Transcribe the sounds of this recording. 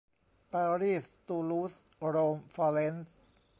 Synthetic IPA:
paɾiː˥˨st̪u˧luː˦s | ɾoːmfale˦ns

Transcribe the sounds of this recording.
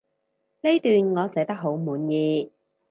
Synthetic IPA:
le˥jt̪yː˨nŋɔː˨˧sɛ˨˥t̪ɐ˥k̚ɦo˨˥wmuː˨˧njiː˧

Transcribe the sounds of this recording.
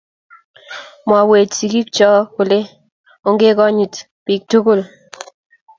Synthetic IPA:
mwa˨we˨tsi˨ki˦k̚t͡ʃɔ˦kʊ˨le˦ | o˦ŋɡe˦kɔ˦ɲi˨t | piː˨k̚tʊ˦ko˦˨l

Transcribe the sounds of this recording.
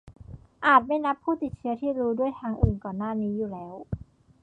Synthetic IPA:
ʔaː˨˩t̪̚ma˥˩jna˦˥pʰːuː˥˩t̪i˨˩t̪̚t͡ɕʰɯ˦˥ɐt̪ʰiː˥˩ɾuː˦˥du˥˩əjt̪ʰaː˧˥ŋʔɯː˨˩nkɔː˨˩nːaː˥˩niː˦˥juː˨˩lɛː˦˥w

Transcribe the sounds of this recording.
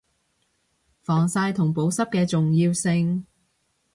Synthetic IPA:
fɔː˨˩ŋsaː˧jt̪ʰʊ˨˩ŋpo˨˥wsɐ˥p̚kɛː˧t͡sʊ˨ŋjiː˧wsɪ˧ŋ

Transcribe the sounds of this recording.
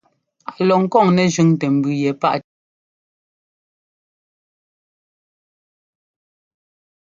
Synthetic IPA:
a˨lɔ˨ŋ̩˦kɔ˦˨ŋnɛ˨d͡ʒʉ˨˦ŋtɛ˨m̩˨bʉ˨jɛ˨pa̰˦ʔ

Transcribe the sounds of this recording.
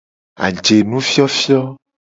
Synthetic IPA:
a̰˨d͡ʒe˨nũ˦fi˦ɔ˦fi˦ɔ˦

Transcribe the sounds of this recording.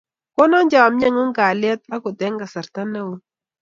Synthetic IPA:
kɔ˦nɔ˦ɲd͡ʒa˨a˨mɲa˦ŋʊ˦ŋɡa˨lɪ˦ɛ˦t̪̚a˦kʊ˨tɛ˨˦ŋɡa˨sa˨ɾt̪a˦na˦wu˦

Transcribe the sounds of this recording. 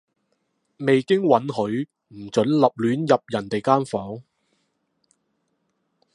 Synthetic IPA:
me˨jkɪ˥ŋwɐ˨˥nhɵ˨˥ɥ | m̩˨˩t͡ʃɵ˨˥nlɐ˨p̚lyː˨˥njɐ˨p̚jɐ˨˩nt̪e˨jkaː˥nfɔː˨˥ŋ

